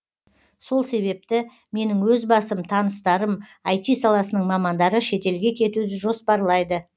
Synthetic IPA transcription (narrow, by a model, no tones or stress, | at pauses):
so̞lˠse̞βe̞p̚t̪ɪ | me̞nɪŋwɵzbɑsəmt̪ʰɑnəst̪ɑɾəmɑjt̪ijsɑlˠɑsənəɴmɑmɑnd̪ɑɾəʃe̞t̪e̞lɡʲe̞kʲʰe̞t̪ud̪ɪʒo̞spɑɾlˠɑjd̪ə